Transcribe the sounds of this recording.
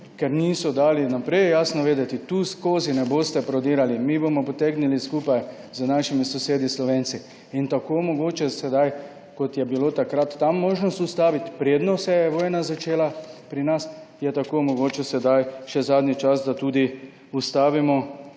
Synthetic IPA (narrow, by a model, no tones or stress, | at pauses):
kɛɾniːsɔd̪aːlinapɾɛjjaːsnɔʋeːd̪ɛt̪it̪uːskoːzinɛboːst̪ɛpɾɔd̪iːɾalimiːbomɔpɔt̪eːɡniliskuːpaj | zənaʃimisɔseːd̪islɔʋeːnsi | int̪akoːmɔɡoːt͡ʃɛsɛd̪aj | kɔt̪jɛbiloːt̪akɾat̪ːamːoːʒnɔst̪ust̪aːʋit̪pɾeːd̪nɔsɛjɛʋoːjnazat͡ʃeːlapɾinas | jɛt̪akomɔɡoːt͡ʃɛsɛd̪ajʃɛzaːd̪nit͡ʃasd̪at̪uːd̪i | ust̪aːʋimɔ